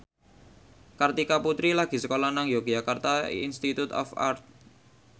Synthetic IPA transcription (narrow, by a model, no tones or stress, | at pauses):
kart̪ikaput̪ɾilaɡ̥i̤səkolanaŋjoɡ̥d͡ʒakart̪aḭnst̪it̪ut̪ɔ̰fa̰rt̪̚